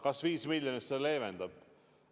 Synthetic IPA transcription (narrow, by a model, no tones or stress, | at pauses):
kɑsviːsmilʲjonist̪seleːvend̪ɑb̥